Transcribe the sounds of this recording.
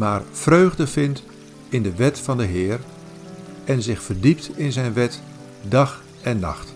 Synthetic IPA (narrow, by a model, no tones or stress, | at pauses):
maːrfrøːɣdəvɪnt | ɪndəʋɛtfɑndəɦɪːər | ɛnzɪχfərdip̚tɪnzɛjnʋɛt | dɑχ | ɛnːɑ̰χt